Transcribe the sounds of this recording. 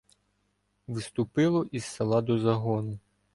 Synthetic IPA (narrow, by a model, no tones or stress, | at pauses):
ʋɪst̪ʊpɪlˠɔʔisːɐlˠɑd̪ɔzɐɦɔnʊ